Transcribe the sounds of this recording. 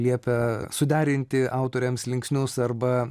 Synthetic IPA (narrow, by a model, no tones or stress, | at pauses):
lʲiɛpʲɛsʊd̪ʲæːɾʲɪnʲt̪ʲɪʔɐʊt̪oːɾʲɛmslʲɪŋksʲnʲʊsɐrbɐ